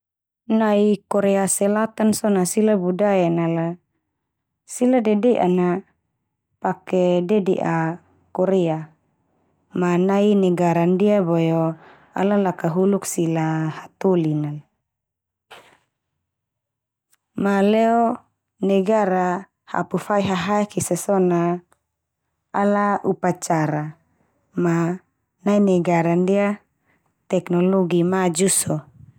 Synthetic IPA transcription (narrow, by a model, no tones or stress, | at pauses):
naikɔɾɛasɛlat̪ansonasilabudajanala | siladedeʔa̰na | pakededḛʔa | kɔɾɛa | manainɛɡaɾandiabojo | a̰lalakaɦuluksilahat̪ulinal | malɛɔ | nɛɡaɾa | ha̰pufajɦaɦaɛkʰisasɔna | alaʔupat͡ʃaɾa | ma | nainɛɡaɾandia | t̪ɛknɔlɔɡimad͡ʒusɔ